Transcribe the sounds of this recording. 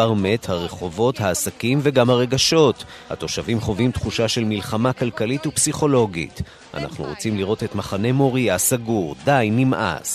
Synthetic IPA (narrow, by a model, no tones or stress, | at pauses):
aʁme̞thaʁe̞χo̞vo̞thaːsakimveɡamhaʁe̞ɡaʃo̞t | ha̰t̪o̞ʃavimχo̞vimtχuʃaʃe̞lmilχamakalkalitupsiχo̞lo̞ɡḭt | ʔa̰na̰χnṵʁot͡simliʁo̞te̞tmaχane̞mo̞ʁiasaɡuʁd̪ajnimʔa̰s